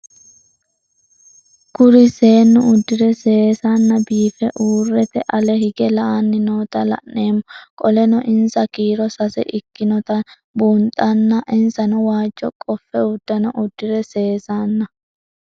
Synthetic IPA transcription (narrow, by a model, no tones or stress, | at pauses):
kʊɾɪse̞ːnːʊʊd̪ːɪɾɛse̞ːsanːɐbiːfɛʔuːrːɛt̪ɛʔɐlɛhɪɡɛlɐʔanːɪnoːt̪ɐlɐ̰nːeːmːɔkʼɔlɛnɔʔɪnsɐkiːɾɔsɐsɛ̰ʔɪkːɪnɔt̪ɐ | buːnt̪ʼːɐnːɐʔɪnsɐnɔwaːd͡ʒːɔkʼɔfːɛʊd̪ːɐnɔʔʊd̪ːɪɾɛse̞ːsanːɐ